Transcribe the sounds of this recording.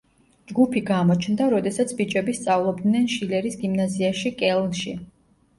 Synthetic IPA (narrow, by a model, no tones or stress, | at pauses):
d͡ʒɡupʰiɡamɔt͡ʃʰnd̪aɾɔd̪ɛsat̪sʰbit͡ʃʼɛbist̪sʼavlˠɔbd̪nɛnʃilɛɾisɡimnaziaʃikʼɛlˠnʃi